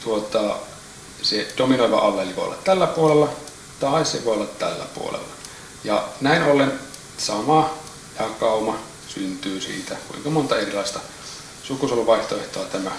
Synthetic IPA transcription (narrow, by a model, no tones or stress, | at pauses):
t̪uot̪ɑ | sed̥ominoˑiʋɑ̰ʔɑʋːeliʋo̰ˑo̰lːɑ̰t̪t̪ælːæpuolelːɑ | t̪ɑˑissḛʋoˑeolːɑt̪t̪æ̰lːæ̰pṵo̰lḛlːɑ | jɑ̰næˑinolːen | sɑmɑ | jɑkɑˑumɑ | synt̪yːsḭːt̪ækṵiŋkɑmont̪ɑerilɑist̪ɑ | sukusoluʋɑˑiht̪oeht̪oɑt̪æmæ